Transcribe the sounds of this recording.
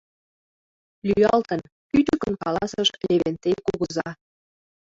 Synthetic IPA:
lyjɑlt̪ə̆n | pyt̪ykənkɑlɑsəʃleβent̪ekuɣə̆zɑ

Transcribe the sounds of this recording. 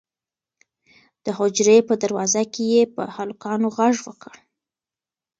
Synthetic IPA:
d̪̥əɦod͡ʒɾepəd̪aɾwɑzakejepə̰halʊkɑnoɣaʐwəkəɽ

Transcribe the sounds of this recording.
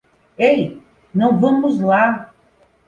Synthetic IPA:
ej | nɐ̃w̃vɐ̃mʊzla

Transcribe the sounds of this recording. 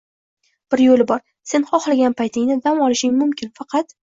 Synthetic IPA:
b̥ɪɾjolɪbɒɾ | se̞nχɒχlˠaɡʲanpʰajt̪ʰɪŋnɪd̪amɒlˠɪʃɪŋmʊmkʲʰɪnfɑqʰɑt̪

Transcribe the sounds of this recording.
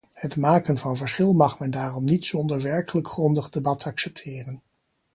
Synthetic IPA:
hətmaːkənvɑnvəɹsχɪlˠmɑχmɛndaːrɔmnitsɔndəɹʋɛɹkələkχrɔndəχdebɑtɑksɛp̚tʰɪːrən

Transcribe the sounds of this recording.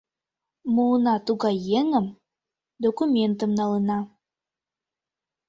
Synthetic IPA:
munɑt̪uɣɑjeŋəm | d̪okumʲent̪ə̆mnɑlˠənɑ

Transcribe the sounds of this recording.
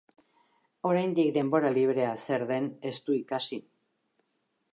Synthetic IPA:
o̞ɾajnd̪ikd̪e̞mbo̞ɾaliβ̞ɾe̞ase̞ɾðe̞ne̞st̪uikasi

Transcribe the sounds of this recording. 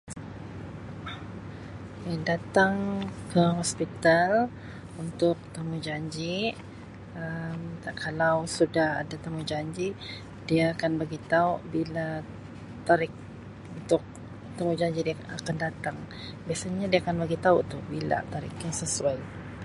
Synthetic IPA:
jadat̪aŋkəɦɔspit̪al | unt̪ʊk̚t̪amud͡ʒaɲd͡ʒi | əmakʰalawsudaha̰dat̪amud͡ʒaɲd͡ʒiʔ | diaːkanbaɡit̪aʊʔbila | t̪aɾɪk̚ | unt̪ʊk̚ | t̪amud͡ʒaɲd͡ʒiʔdiaa̰kandat̪aŋ | biasaɲadiaakanbaɡit̪auʔt̪uhbila̰t̪aɾḭkaŋsəsuaj

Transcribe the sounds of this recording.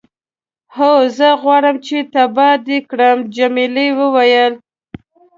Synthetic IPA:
hozəɣwɑɽəmt͡ʃet̪abɑd̪ekɽəmd͡ʒamilewəwajəl

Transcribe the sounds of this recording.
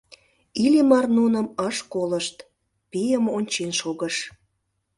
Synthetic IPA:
ilʲimɑrnunəmɑʃkoləʃt̪ | pijəmonʲt͡ɕenʃoɣəʃ

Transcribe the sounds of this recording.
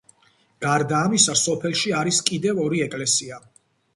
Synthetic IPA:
ɡ̥aɾd̪aːmisasɔpʰɛlˠʃiaɾiskʼid̪ɛvɔɾiɛkʼlɛsia

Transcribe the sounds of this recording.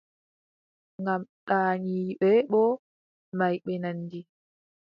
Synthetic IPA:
ŋɡamɗaːɲiɓɛɓɔ | majɓɛnanːdi

